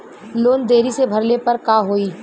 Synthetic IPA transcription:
loːnd̪eːɾisebʱɐɾlepɐɾkaːɦoːiː

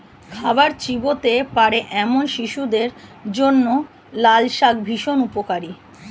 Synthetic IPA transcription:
kʰabaɾt͡ɕibot̪epaɾeʔɛmonʃiʃud̪eɾd͡ʑonːo | lalʃakbʱiʃonupokaɾi

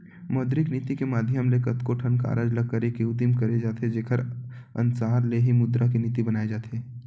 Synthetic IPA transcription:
mɔːd̪ɾɪkniːt̪ikemaːd̪ʱjəmlekɐt̪koʈʰənka̰ːɾad͡ʒlɐɡ̚kːəɾekiʊd̪imkɐɾed͡ʒaːt̪ed͡ʒeːkʰəɾ | ə̰nsaːɾleɦimʊd̪ɾakiniːt̪ibɐnaːed͡ʒaːt̪ʰeː

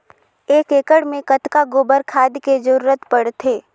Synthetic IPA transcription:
eːkeːkəɽmẽkət̪kaɡoːbəɾkʰaːd̪ked͡ʒəɾuːɾət̪pəɽt̪ʰɦeː

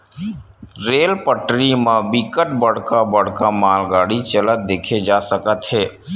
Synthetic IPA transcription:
ɾeːlpəʈɾimãbikəʈ̚bəɽ̤kabəɽ̤kamaːlɡaːɽit͡ʃələt̪̚d̪eːkʰed͡ʒaːsəkət̪ɦɛː

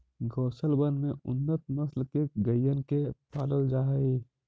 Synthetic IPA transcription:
ɡɔːsəlbənmẽʊnːət̪̚məslkeɡəjːənkepaːdəld͡ʒaːɦəi

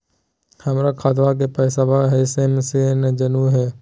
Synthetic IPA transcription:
hɐmɾakʰaːd̪ʋak̬epɛːsabaɦɛsemsened͡ʒənuɦɛː

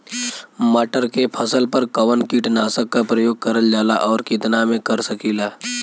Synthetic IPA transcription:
məːʈəɾkepʰəsəlpəɾkəʋənkiʈnaːsəkːapɾəjoːɡ̚kəɾəld͡ʒaːlaʔɔːɾkɪt̪namẽkəɾsəkiːlaː

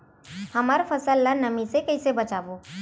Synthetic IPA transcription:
hɐmaːɾfɐsəlːanɐmisekɐisebɐt͡ʃaːboː

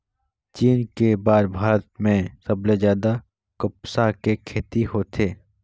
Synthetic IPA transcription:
t͡ʃiːnkebaːɾbʱaːɾət̪mẽsəbled͡ʒjaːd̪a | kʊpsakekʰeːt̪ihoːt̪ʰeː

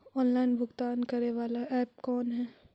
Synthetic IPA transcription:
ɔːnlaːɪnbʱʊɡt̪aːnkɐɾeʋaːlaʔɛːp̚kɔːnɦɛː

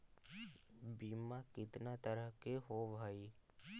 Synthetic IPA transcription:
biːmãkɪt̪naːt̪əɾəɦkeɦoːʋʱaːiː

